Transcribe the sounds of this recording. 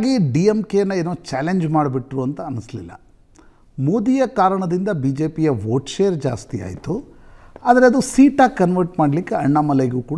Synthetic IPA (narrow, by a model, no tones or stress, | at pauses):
aːɡiɖiemkenːɐeːnoːt͡ʃaːleɲd͡ʒmaːɽbiʈɾuɐnt̪ɐːnislḭlːɐ̰ | moːd̪ijɐkaːɾɐɳɐd̪ind̪ɐbiːd͡ʒe̞ːpijɐʋoːɾʈʃeːjɐɾd͡ʒaːst̪ija̰ːjit̪uaːd̪ɐɾeɐd̪usiːʈaːɡkːɐnʋɐɾʈmaːɽlikːeɐɳːamɐleɡuːkuːɽ